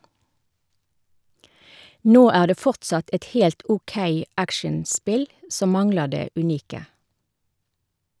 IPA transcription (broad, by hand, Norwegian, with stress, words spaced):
ˈnoː ˈæː ˈdeː ˈfɔʁtsɑt ˈɛt ˈhɛlt ɔˈkeɪ ˈækʃɛnˌspɪl ˈsɔm ˈmɑŋləʁ ˈdeː ʉˈniːkə